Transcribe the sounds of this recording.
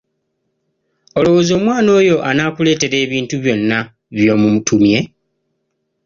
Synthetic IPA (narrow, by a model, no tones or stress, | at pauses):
olo̞wo̞ːzo̞ːmwaːno̞ːjo̞ʔanaːkule̞ːte̞ɾe̞ːβiːntuβjo̞nːa | βjo̞ːmumutʰumje̞